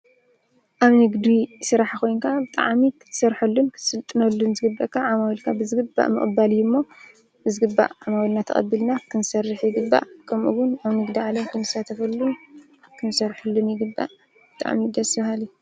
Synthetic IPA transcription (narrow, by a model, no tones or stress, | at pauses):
ʔaβnɨɡd̪isɨɾaħkʰo̞jnkʰabɨt̪ʼa̰ʕmikʰɨ̥t̪ʰːɨ̥sɐɾħulːunkʰɨ̥sɨlt̪ʼɨnɐlːunzɨɡɨbːɐ̰ʔkʰːaʕamawilkʰabɨzɨɡɨbːa̰ʔmɨ̰χʼɨbaljumːo̞ | bɨzɨɡɨbːa̰ʔʕamawilnat̪ʰɐ̰χʼɐ̰bːɨlnakʰɨnsɐrːɨħjɪɡɨbːa̰ʔkʰɐmʔuwʊnaβnɨɡd̪iʕalɐmkʰɨnɨsat̪ʰɐfɐlːun | kʰɨnsɐɾħulːunjɪɡɨbːa̰ʔ | bɨt̪ʼa̰ʕmid̪ɐsbahalju